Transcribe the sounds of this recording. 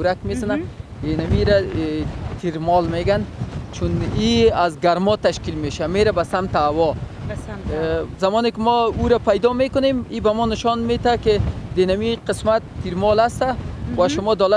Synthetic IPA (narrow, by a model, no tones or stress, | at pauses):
ɾakmezanad̪enamiɾa | t̪ʰiɾmɔlmeɡant͡ʃuniazɡaɾmɔt̪aʃkilmeʃameɾabasamt̪awɔ | zamɔnɪkɪmɔuɾapajd̪ɔmekʊnemibamɔnɪʃɔnmet̪akɪd̪enamiqɪsmat̪ːiɾmɔlast̪awaʃʊmɔd̪ɔla